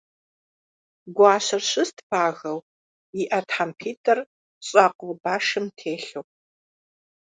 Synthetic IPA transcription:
ɡʷɑːɕɐrɕɨstʰpʰaːɣɐw | iʔɐtħampʰiːtʼɐr | ɕʼaːqʷowbaːʂɨmtʰeːɬow

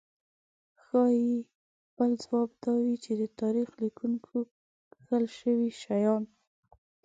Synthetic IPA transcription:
xɑji | b̥əlzwɑb̚d̪ɑwit͡ʃed̪ət̪ɑɾixlikʰuŋkʰo | kəlʃəwiʃajɑn

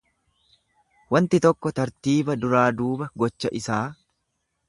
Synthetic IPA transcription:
wɐnt̪ɪt̪ɔkːɔt̪ɐɾt̪iːbɐd̪ʊɾaːd̪uːbɐɡɔt͡ʃːɐʔɪsaː

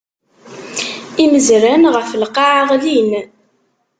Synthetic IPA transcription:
iməzɾænʁəflqːɑʕʁlin

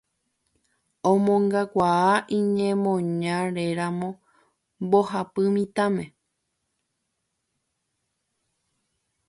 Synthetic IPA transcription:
õmõŋɡakʷaaʔĩɲẽmõɲãɾeɾãmõ̞ | mbo̞hapɨmĩt̪ãmẽ̞

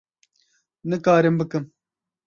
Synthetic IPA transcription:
nɨkaːɾembɨkɨm

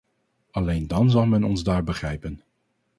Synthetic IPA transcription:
ɑlejndɑnzɑlˠmɛnɔnzdaːɹbəχrɛjpən

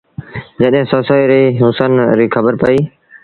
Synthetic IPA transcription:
d͡ʒəɗɦɪ̃ːsoːsaːiɾiːɦʊsənɾiːkʰəbəɾpəiː

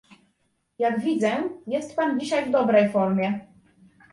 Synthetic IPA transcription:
jaɡvʲid̪zɛjɛst̪pand͡ʑiɕajvd̪ɔbɾɛjfɔɾmʲjɛ

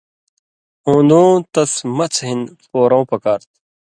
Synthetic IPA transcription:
õːnd̪õːt̪ɐsmɐt͡sʰɦinfoːɾõːpɐkaːɾt̪̚

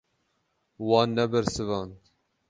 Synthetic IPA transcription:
wɑːnːɛbɛɾsɨvɑːnt̪

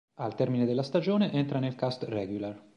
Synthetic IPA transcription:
alt̪ɛrmined̪elːast̪ad͡ʒoːneʔɛnt̪ɾanelkast̪rɛɡjular

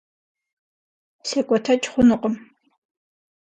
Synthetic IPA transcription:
sekʷʼɔtʰɐt͡ʃʼχʷʊnɨqʼəm

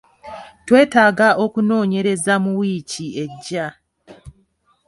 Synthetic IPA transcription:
twe̞ːtaːɡaʔo̞kuno̞ːɲe̞ɾe̞zamuwiːcie̞ɟːa

